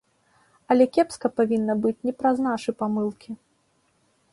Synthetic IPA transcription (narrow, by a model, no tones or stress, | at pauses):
ɐlʲɛkʲɛpskɐpavʲinːɐbɨt͡sʲnʲɛpɾɐznaʂɨpamɨlˠkʲi